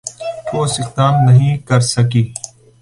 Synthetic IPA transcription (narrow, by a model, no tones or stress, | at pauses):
koːsɪxt̪aːmnəɦĩːkəɾsəkiː